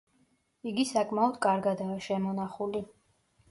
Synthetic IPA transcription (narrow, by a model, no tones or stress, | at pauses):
iɡisakʼmaɔd̪̥kʼaɾɡad̪aːʃɛmɔnaχuli